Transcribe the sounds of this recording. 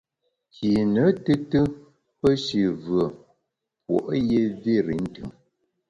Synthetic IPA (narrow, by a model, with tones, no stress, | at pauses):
ki˨nə˨˦tɨ˦tɨ˦ | pə˦ʃi˨vɰə˨ | pwo̰˨ʔje˦vi˦ɾḭ˨˦n̩˦tɯ̰˨ŋ